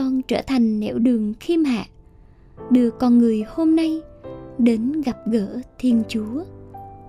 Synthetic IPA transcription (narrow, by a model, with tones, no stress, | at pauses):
ɔ˧nt͡ɕəː˧˩t̪ʰa˨˩jŋ̟nɛ̰˧˩wɗɨ˨˩əŋxi˧əmha̰ː˧˨ | ɗɨ˨˩əkːɔ˨˩nŋɨ˨˩əjho˧mna˧jɗe˨˦nɣa˨˩p̚ɣəː˧˩t̪ʰi˧ənt͡ɕu˨˦ə